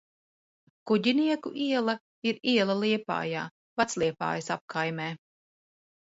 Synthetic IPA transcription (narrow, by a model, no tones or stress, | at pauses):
kuɟiniɛkṵʔiɛlˠɐ | iɾiɛlˠɐliɛpa̰ːja̰ː | vat̪slˠiɛpa̰ːjɐsap̚kajmɛː